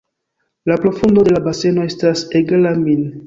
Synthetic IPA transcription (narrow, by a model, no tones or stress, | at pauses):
lapɾo̞fundo̞de̞labase̞no̞e̞staseɡalamin